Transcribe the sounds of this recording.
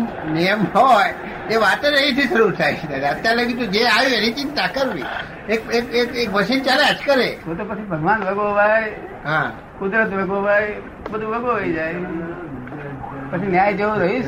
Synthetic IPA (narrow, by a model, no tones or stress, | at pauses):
nijəmɦɔj | eʋat̪eɾəɦit̪ʰisəɾuɾt̪ʰajt͡ʃʰinanət̪jaɾləɡit̪ũd͡ʒeaʋiənit͡ʃɪnt̪akəɾʋḭ | ekekekek̚ʋəsint͡ʃalead͡ʒkəɾeɦot̪opət͡ʃʰibʱəɡʋanʋəɡoʋaj | ɦã | kʊd̪ɾət̪ʋeɡoʋaj | bəd̪ʱuʋəɡoʋəid͡ʒaj | pət͡ʃʰinjajd͡ʒeũɾəɦĩ